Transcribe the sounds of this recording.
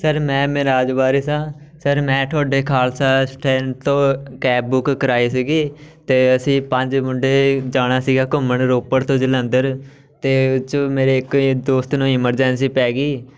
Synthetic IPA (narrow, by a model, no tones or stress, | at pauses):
səɾmɛ̃ːmẽːɾaːd͡ʒbaːɾiːsãː | səɾmɛ̃ːʈʰoːɖeːkʰaːlsaːsʈʰɛ̃ːɳt̪õːkɛːb̚bʊkːəɾaːiːsiːɡiːt̪eːəsĩːpəɲd͡ʒmʊɳɖeːd͡ʒaːnaːsiːɡaːkʊməɳɾoːpəɾt̪õːd͡ʒələ̃nd̪əɾ | t̪eːt͡ʃmeːɾeːɪkd̪oːst̪nũːɪməɾd͡ʒɛnsiːpɛːɡiː